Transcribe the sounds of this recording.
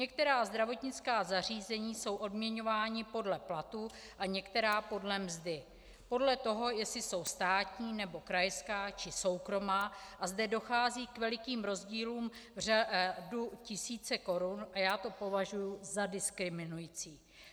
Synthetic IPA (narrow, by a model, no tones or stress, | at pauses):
ɲɛk̚t̪ɛɾaːzd̪ɾavo̞t̪ɲɪt͡skaːzar̝iːzɛɲiːso̞wʔo̞dmɲɛɲo̞vaːɲɪpo̞dlɛplat̪u | ʔaɲɛkt̪ɛɾaːpo̞dlɛmzdɪ | po̞dlɛt̪o̞ɦo̞jɛslɪso̞wst̪aːt̪ɲiːnɛbo̞kɾajskaːt͡ʃɪso̞wkɾo̞maːʔazdɛdo̞xaːziːkvɛlɪkiːmɾo̞zɟiːluːmr̝aducɪsiːt͡sɛko̞ɾunʔajaːt̪o̞po̞vaʒujuzadɪskɾɪmɪnujit͡siː